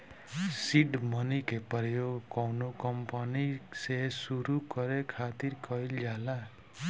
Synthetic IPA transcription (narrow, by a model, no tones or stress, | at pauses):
siɖmʌnikepjoɡkʌwnokʌmpanisesuɾukʌɾekʰat̪irkʌjld͡ʒala